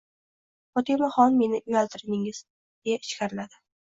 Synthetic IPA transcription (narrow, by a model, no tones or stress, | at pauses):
fɒt̪ʰemaχɒnme̞nɪjalˠt̪ʰɪɾɪnɪŋɪz̥ | d̪̥e̞jaɪʃkʲʰaɾɪlad̪ɪ